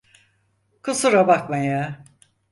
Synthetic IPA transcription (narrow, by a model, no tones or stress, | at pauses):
kʰusuɾabakmaja